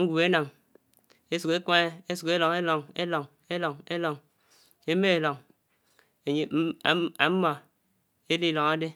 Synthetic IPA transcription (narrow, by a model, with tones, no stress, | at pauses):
ŋ̩˦ɡʷu˨e˦na˨ŋ | e˦su˨ke˦ka˦ŋe˦e˦su˨ke˦lo˨ŋe˦lo˨ŋe˦lo˨ŋ | e˦lo˨ŋe˦lo˨ŋ | e˦me˦e˨lo˨ŋ | e˨ɲe˨˦˨a˨m̩˦mɔ˨ | e˦li˦lo˨ŋa˦de˦